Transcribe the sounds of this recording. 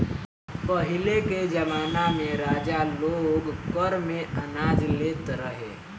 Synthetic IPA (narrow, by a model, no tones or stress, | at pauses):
pəɦɪleked͡ʒɐmaːnamẽɾaːd͡ʒaloːɡkɔɾmẽɐnaːd͡ʒleːt̪ɾəɦḛː